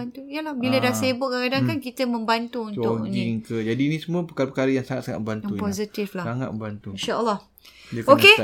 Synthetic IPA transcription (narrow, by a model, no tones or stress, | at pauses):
ant̪ujəlahbilədasebʊʔ̚kakadankankit̪əmə̃mbant̪uunʊniŋkəd͡ʒadiːnĩsumũəpəkaɾapəkaɾajaŋsaŋat̪̚saŋa̰t̪̚mə̃mbantjaupozit̪iflasaŋa̰t̪̚məmbant̪uinʃaəlːɔh | oke